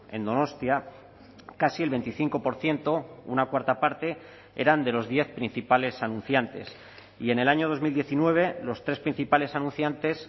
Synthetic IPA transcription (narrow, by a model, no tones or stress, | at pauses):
e̞̰nd̪o̞no̞st̪ja | kasie̞lβe̞nt̪iθiŋko̞po̞ɾθje̞nt̪o̞ṵnakwaɾt̪apaɾt̪e̞ | e̞̰ɾand̪e̞lo̞zðje̞θpɾin̟θipale̞sanũn̟θjant̪e̞̰s | ie̞ne̞laɲo̞ðo̞zmild̪je̞θinwe̞β̞elo̞st̪ɾe̞spɾin̟θipale̞sanũn̟θjant̪e̞s